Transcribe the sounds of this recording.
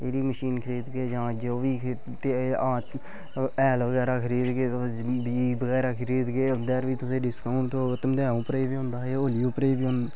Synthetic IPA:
eːɾiːməʃiːnkʰəɾiːd̪ɡeːd͡ʒãːd͡ʒoːʋiː | t̪eãː | ɛːlʋəɣɛːɾaːkʰəɾiːd̪ɡeːt̪o | biːbəɡɛːɾaːkʰəɾiːd̪ɡeːõnd̪eːɾʋiːt̪ʊsẽːɖɪskaʊɳt̪õːt̪md̪ãːũːpɾeːʋiːɦõːnd̪aːɦeːoːlɪjuːpɾeːʋiːɦʊ̃nd̪

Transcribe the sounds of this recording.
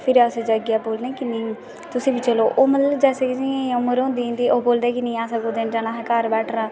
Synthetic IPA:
pʰɪɾaːsed͡ʒaɡɪjaːboːlnɛ̃ːkɪnẽ | t̪ʊsĩːbiːt͡ʃəloːʔoːmət̪ləbd͡ʒɛːsekɪd͡ʒĩẽːʊməɾɦõːnd̪iːɦõːnd̪iːʔoːboːld̪ɛːkɪnə̃ːaːsəkoːd̪end͡ʒaːnãːɦkaɾbɛːʈʰɾãː

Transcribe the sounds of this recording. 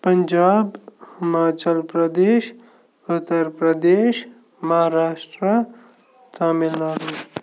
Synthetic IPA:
pəɲd͡ʒaːbhɪmaːt͡ʃəlpɾəd̪eːʃ | ʊt̪ːəɾpɾəd̪eːʃ | mɐɦaɾaːʂʈɾə | taːmilnɐɾu

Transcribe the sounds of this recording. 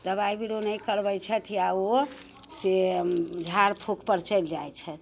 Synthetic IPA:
d̪əβaibiɽonəjkəɾbəjt͡ʃʰət̪ʰiao | sed͡ʒʱaɾpʰokʰpəɾt͡ʃəjld͡ʒajt͡ʃʰət̪

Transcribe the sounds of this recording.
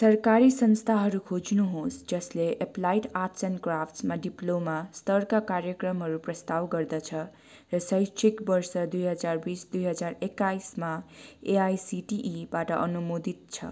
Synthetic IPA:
sʌrkaɾisʌnst̪ʰaɦʌɾukʰod͡znuɦosd͡zʌsleʔeplajiʈatsʌnkrapʰʈsmaɖiplomast̪ʌrkakarjʌkrʌmɦʌɾuprʌst̪awɡʌrd̪ʌt͡sʰʌ | rʌsʌjt͡ʃʰikbʌrsʌd̪ujɦʌd͡zarbisd̪ujɦʌd͡zarekːajsmaeajsiʈiʔibaʈʌʔʌnumod̪it̪̚t͡sʰʌ̰

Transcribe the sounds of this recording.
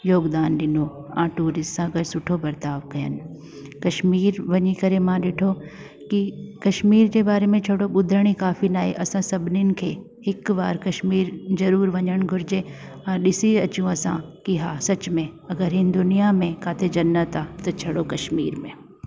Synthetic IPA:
joːɡd̪aːnɗɪnoãːʈuːɾɪsʈsãɐɡəɾsʊʈʰobɐɾt̪aːʋkɐjə̰nɪ̆ | kɐʃmiːɾʋɐɲikɐɾemãːɗeːʈʰo | kikɐʃmiːɾd͡ʑebaːɾemẽt͡ɕʰɐɽoɓʊd̪ʱɾəɽ̃ikaːfinaːɦḛʔɐsãsɐbʱɪnɪnɪ̆kʰeː | hɪkʋaːɾkɐʃmiːɾzɐɾuːɾʋɐɲəɽ̃ɡʱʊɾɪd͡ʑẽ | ãːɗɪsiɐt͡ɕjũɐsã̰kiɦaːsɐt͡ɕmẽɐɡəɾɦɪnɪd̪ʊnijamẽkaːt̪ʰed͡ʑɐnːət̪aːt̪ɐt͡ɕʰɐɽokɐʃmiːɾmẽː

